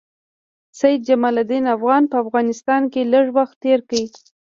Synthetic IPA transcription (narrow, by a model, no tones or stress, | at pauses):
sajid̪̚d͡ʒamɑlad̪inafɣɑnpəafɣɑnɪst̪ɑnkeləʐwaxt̪ːeɾkawi